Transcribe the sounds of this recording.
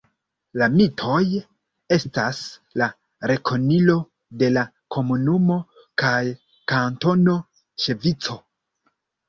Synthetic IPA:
lamitʰo̞j | e̞stasla | ɾe̞kʰo̞nilo̞ | de̞la | kʰo̞munumo̞ | kaj | kanto̞no̞ | t͡ʃe̞vit͡so̞

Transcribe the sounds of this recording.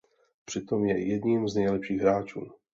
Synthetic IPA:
pr̝̥ɪt̪omjɛjɛdɲimznɛjlɛpʃiːɣɦɾaːt͡ʃṵː

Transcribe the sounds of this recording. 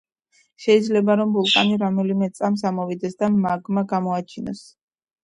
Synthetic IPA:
ʃɛid̪zlɛbaɾɔmbulˠkʼa̰niɾamɛlimɛt̪sʼamsamɔvid̪ɛsd̪amaɡmaɡamɔat͡ʃʰinɔ̰s

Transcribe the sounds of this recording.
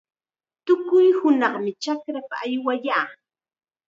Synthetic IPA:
t̪ʊkʊjhʊnɑχmɪt͡ʃakɾap̪aːjwaʎaː

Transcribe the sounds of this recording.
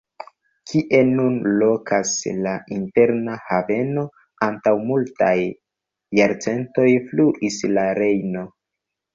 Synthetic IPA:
kʰiʔe̞nunlo̞kʰaslainte̞ɾnahave̞no̞ | antawmulta̰jː | aɾt͡se̞nto̞jfluʔislaɾe̞jno̞

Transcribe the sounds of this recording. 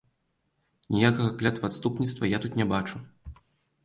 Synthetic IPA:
nʲijakɐɣɐklʲat̪vat̪st̪upnʲit̪st̪vɐjat̪ut̪nʲɛbat͡ʂu

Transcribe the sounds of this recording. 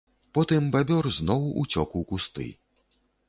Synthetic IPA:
pɔt̪ɨmbabʲɔrznɔwṵt͡sʲɔkuwkust̪ɨ̰

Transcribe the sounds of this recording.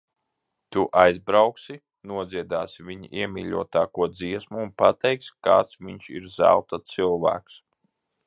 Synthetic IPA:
t̪uʔajzbɾawksi | nuɔd̪ziɛd̪aːsivʲiɲiʔiɛmʲḭːʎʲuɔt̪aːkuɔd̪ziɛsmuːnpat̪ɛjkska̰ːt̪svʲiɲʃḭɾza̰wt̪asilˠvæ̰ːks

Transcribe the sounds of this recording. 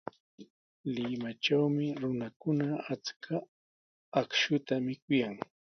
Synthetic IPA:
lɪmat͡ʃawmɪɾʊnakʊnaat͡skʰa | akʃʊt̪amɪkʊjaŋ

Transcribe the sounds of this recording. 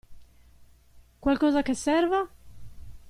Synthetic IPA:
kwalkɔːzakesːɛrva

